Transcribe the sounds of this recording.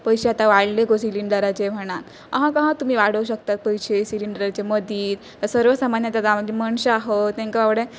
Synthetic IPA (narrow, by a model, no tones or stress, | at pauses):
pəjɕeat̪aʋaɽlekosiliɳɖəɾat͡ɕem̤əɽ̃at̪ | a̰ɦãkaɦãt̪um̤iːʋaɽəuɕək̚t̪at̪̚pəjɕesiliɳɖəɾat͡ɕeməd̪ʱiːt̪əsəɾʋəsamanjat̪at̪amaɡiməɳɕəaɦot̪t̪ẽŋkaʋaʋɽẽ